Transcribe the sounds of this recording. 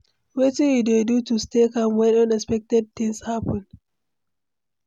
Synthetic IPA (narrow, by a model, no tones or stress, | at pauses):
wetiwidedutustekamwɛ̃nãnɛspɛk̚tɛd̚t̪ɪ̃ŋshapə̃n